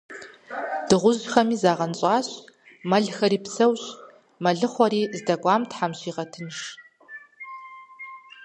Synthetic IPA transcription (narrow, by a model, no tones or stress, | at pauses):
d̥ɨʁʷʊʑxɐmiːzaːʁɐnɕʼɑːɕ | mɐɮxɐɾiːpsɐwɕ | mɐɮɨχʷɔɾiːzdɐɡʷʼɑːmtħamɕiːʁɐtʰɨnʂ